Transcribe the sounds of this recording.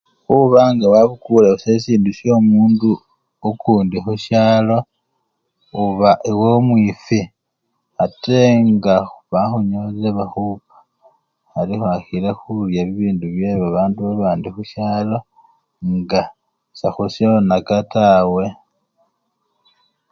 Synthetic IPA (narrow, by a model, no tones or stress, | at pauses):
xuβaŋɡawaβukuleusesiːnduʃjo̞ːmuːndu | okʰuːndixuʃaːlo̞ | uβaʔewomwifi | ateŋɡaxuβaxuɲozeβaxupḁ | alixaxilexuljaβiβiːnduβje̞βaβaːnduβaβaːndixuʃjaːlo̞ | ŋɡa | saxusjoonakatawe̞